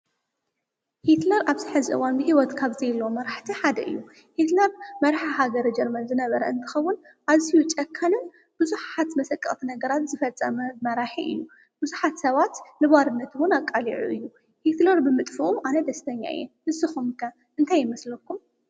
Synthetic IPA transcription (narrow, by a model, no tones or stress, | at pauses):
hit̪lɐɾaβzɨħɨzɨʔɨ̰wanbɨɦiwɔt̪kʰaβzɐjlːomɐɾaħt̪ʰiħad̪ɐ̰ʔɨ̰jːu | hit̪lɐɾmɐɾaħaɦaɡɐɾɐd͡ʒɛɾmɐnzɨnɐβɐɾɐɨnt̪ʰɨ̥xɐwːʊn | ʔazijut͡ʃʼɐkʰːanɨn | b̥ɨzuħat̪mɐsɐkʼːɐ̰χʼt̪ʰinɐɡɐɾat̪zɨfɐt͡sʼːɐmɐmɐɾaħiʔɨ̰jːu | b̥ɨzuħat̪sɐβat̪nɨβaɾɨnːɐt̪wʊnakʼːaliʕṵʔɨ̰jːu | hit̪lɐɾbɨmɨt̪ʼfuʔumanɐd̪ɐst̪ʰɐɲːa̰ɨ̰jɛ̰nmɨsɨxumkʰɐ | ʔɨnt̪ʰajːɪmɐslɐkʰːum